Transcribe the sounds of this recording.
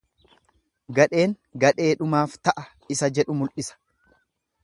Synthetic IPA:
ɡɐᶑe̞ːŋ | ɡɐᶑe̞ːᶑʊmaːft̪ɐʔɐ | ɪsɐd͡ʒɛᶑʊmʊlʔɪsɐ̥

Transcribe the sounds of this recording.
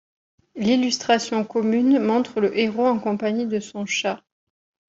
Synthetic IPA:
lilyst̪χasjɔ̃kɔmynmɔ̃t̪χələʔeʁoɑ̃kɔ̃paɲid̪əsɔ̃ʃa

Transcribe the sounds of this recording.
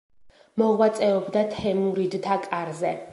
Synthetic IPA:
mɔʁwat̪sʼɛɔbd̪at̪ʰɛmuɾid̪t̪ʰakʼaɾzɛ

